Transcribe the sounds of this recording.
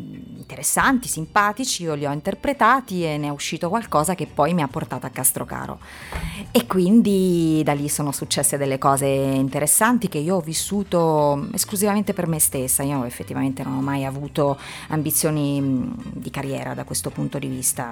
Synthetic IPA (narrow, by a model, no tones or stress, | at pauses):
int̪eɾesːant̪isimpaːt̪it͡ʃiioliɔint̪erpɾet̪aːt̪ienːeɔuʃːiːt̪okwalkɔːzak̟epːɔjmiapːort̪aːt̪oakːast̪ɾoka̰ːɾo̰ | ekːwind̪id̪alːisoːnosut͡ʃːɛsːed̪elːekɔːzeint̪eɾʔesːant̪ik̟eiːoɔvːisːuːt̪oḛskluzivament̪epermest̪esːaiːoefːet̪ːivament̪enonɔmːajavuːt̪o | ambit̪sːjoːni | d̪ikarːjɛ̰ːɾa̰d̪akwest̪opunt̪od̪ivist̪a̰